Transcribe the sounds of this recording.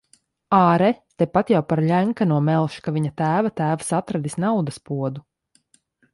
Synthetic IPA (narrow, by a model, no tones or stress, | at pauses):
aːɾɛt̪epat̪jawpaɾʎʲæŋkanuɔmɛlˠʃkaviɲat̪æːvat̪æːvasat̪ɾad̪isnawd̪aspuɔd̪u